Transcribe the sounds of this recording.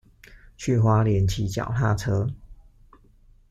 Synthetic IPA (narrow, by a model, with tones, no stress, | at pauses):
t͡ɕʰy˥˨˩xwa˦˥ljɛ˨˦nt͡ɕʰi˨˦t͡ɕjɑ̰˨˩ʊt̪a˥˨t͡sʰɤ˦˥